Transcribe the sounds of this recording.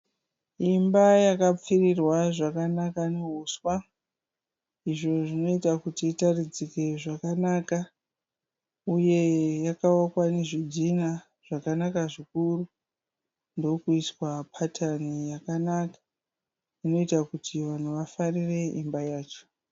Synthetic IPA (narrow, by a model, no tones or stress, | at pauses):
imbajakap͡firirwaʐakanakaneɦuswa | iʐo̞ʐino̞itakutiːtarid͡zike̞ʐakanaːka | uje̞jakawakwane̞ʐidʱina | ʐ̥akanakaʐikuru | ndo̞kuiswapʰatʰanijakanakḁ | ino̞itakutʰiʋan̤uʋafarire̞ʔimbajaːt͡ʃo̥